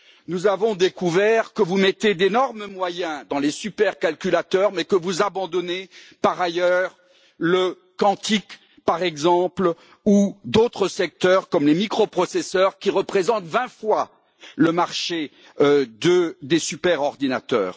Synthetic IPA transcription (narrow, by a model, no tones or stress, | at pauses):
nuzavɔ̃d̪ekuvɛʁkəvumɛt̪ed̪enɔʁməmwajɛ̃d̪ɑ̃lesypɛʁkalkʲylat̪œʁmɛkəvuzabɑ̃d̪ɔnepaʁajœʁ | lə | kɑ̃t̪ik | paʁɛɡzɑ̃pl | ud̪ot̪χəsɛk̚t̪œʁkɔmlemikχɔpχɔsɛsœʁkʲiʁəpχezɑ̃t̪vɛ̃fwa | ləmaʁʃe | d̪əd̪esypɛʁɔʁd̪inat̪œ̰ːʁ